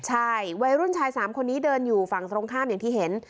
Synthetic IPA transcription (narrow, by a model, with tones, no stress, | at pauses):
t͡ɕʰa˥˩jwa˧jɾu˥˩nt͡ɕʰaː˧jsaː˩˦mkʰo˧nːiː˦˥dɤː˧njuː˨˩fa˨˩ŋt̪ɾoː˧ŋkʰaː˥˩mjaː˨˩ŋt̪ʰiː˥˩ɦe˨˩˦n